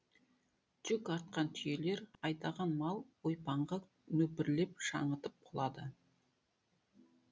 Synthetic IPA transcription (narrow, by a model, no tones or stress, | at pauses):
ʒ̥ʏkɑɾt̪̚qɑnt̪ʰʏje̞le̞ɾɑjt̪ɑʁɑnmɑlˠwojpɑɴʁɑ | nɵpɪɾle̞p̚ʃɑ̰ɴət̪əp̚qʰʊlˠɑd̪ə